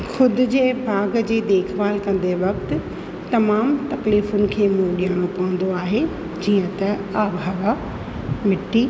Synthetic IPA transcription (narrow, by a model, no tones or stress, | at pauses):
xʊd̪ʱʊ̆d͡ʑeːbʱaːɡd͡ʑeːd̪eːkʰʋaːlkɐ̃n̆d̪eʋɐkt̪ʊ̆ | t̪ɐmaːmt̪ɐkliːfʊnɪ̆kʰeːmũɠɪjaːɽ̃opɐʋə̃n̆d̪oaːɦe | d͡ʑiːə̃t̪ɐaːbʱaːʋa | mɪʈːiː